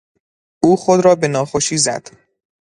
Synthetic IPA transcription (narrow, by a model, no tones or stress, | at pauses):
ʔuːxod̪ɾɒːbe̞nɒːxoʃiːzæ̰d̪̥